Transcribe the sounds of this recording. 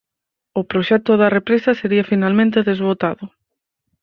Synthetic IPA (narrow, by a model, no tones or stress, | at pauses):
ʊpɾoʃɛt̪ʊðɐrepɾesɐseɾiɐfinalmẽnt̪̬eðezβot̪aðʊ